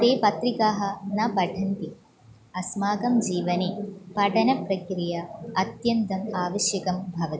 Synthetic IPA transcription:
t̪eːpɐt̪ɾikaːɦɐ̆nɐpɐʈʰɐnt̪i | ɐsmaːɡɐmd͡ʒiːʋɐnepɐʈʰɐnɐpɾɐkɾijɐɐt̪jɐnt̪ɐmaːʋɐʃjɐkɐmbʱɐʋɐt̪i

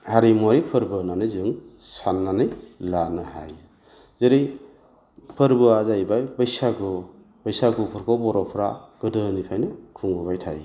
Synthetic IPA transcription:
haɾimoɾipʰɯɾbɯnanɯjzɯŋsanːanɯjlanɯha̰j | zeɾɯj | pʰɯɾbɯazajbajbɐjsaɡɯ | bajsaɡupʰɯɾkʰɔbɔɾɔpʰɾaɡ̥ɯdɯnipʰajnɯkʰuŋbɯbajtʰaj

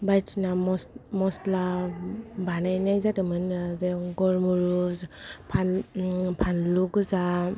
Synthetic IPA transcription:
bajtsinamɔsmɔstla | banajnajzadɯmɯnzeɡɔɾmuɾuzpʰanpʰanluɡɯza

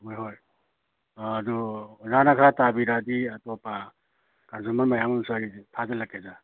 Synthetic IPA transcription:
ɦojɦoj | duzanakʰaɾatabiɾadiatɔpa | kanzumaɾmajamunsaɾitʰazalakeza

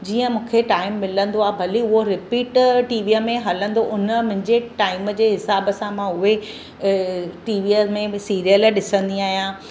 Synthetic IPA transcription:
d͡ʑiːə̃mũːkʰeʈaːɪmːɪlə̃nd̪oaːɦebʱɐliʊɦoɾɪpiːʈʈiːʋiːəmẽɦɐlə̃nd̪oʔʊnəmʊ̃ɦɪ̃ɲd͡ʑeʈaːɪməd͡ʑeːɦɪsaːbəsãmãʊɦe | ʈiːʋimẽsiːɾijəlɗɪsə̃nd̪iaːɦijã

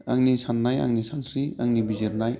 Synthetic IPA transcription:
aŋnisanːaja̰ŋnisansɾiaŋnibizeɾnaj

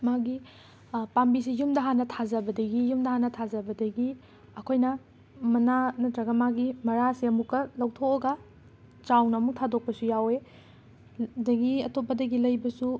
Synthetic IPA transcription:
maɡi | pambisijumdɐɦanɐtʰazɐbɐdɐɡijumdɐɦanɐtʰazɐbɐdɐɡi | ɐkʰojnɐ | mɐnanɐtɾɐɡɐmaɡimɐɾasiɐmukːɐlɐwtʰokɐɡɐ | t͡ʃawnɐːmuk̚tʰadok̚pɐsujawe | dɐɡiɐtopːɐdɐɡilɐjbɐsu

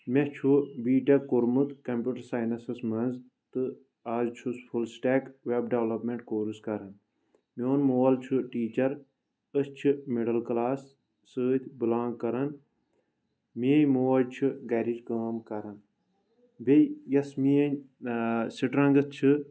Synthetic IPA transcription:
met͡ʃʰubiːʈɐkuɾmut̪kɐmpʲuːʈɐɾsaːjnɐsɐsmɐnz | t̪ɨ | aːzt͡ʃʰuspʰulsʈeːkʋebɖeʋlɐpmeɳʈkoːɾuskɐɾɐn | moːnmoːɐlt͡ʃʰuʈiːt͡ʃɐɾ | əst͡ʃʰɨmeɖɐlklaːsː | ɨːt̪ʰʲbɨlãːŋɡkɐɾɐn | miɐjʲmoːɐd͡ʒt͡ʃʰɨɡɐɾid͡ʒɡəːmkɐɾɐn | bejɐsmijɐɲ | siʈɾɐ̃ŋɡɐt͡ʃʰɨ

